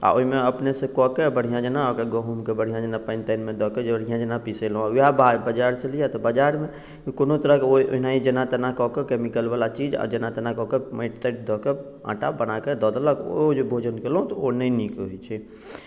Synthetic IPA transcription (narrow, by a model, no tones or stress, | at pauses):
a̰oimeəpnesẽkɔkebəɽ̤ijãd͡ʒənaɔkəɡɔɦumkebəɽ̤ijãd͡ʒənapaɪnʈajnmed̪ʱɔked͡ʒebəɽ̤ijãd͡ʒənapiselɦũujababəd͡ʒaɾsẽlijat̪ɔbəd͡ʒaɾme | konot̪əɾəkeoiʔo̰ɦinaid͡ʒənat̪enakɔkekemikəlbalat͡ʃid͡ʒa̰d͡ʒənat̪ənakɔkeməɪʈt̪əʈ̚d̪ʱɔke | ã̰ʈabənaked̪ɔd̪ləko̰d͡ʒebʱod͡ʒənkelɦũt̪ɔonəinikɦojt͡ʃʰɛ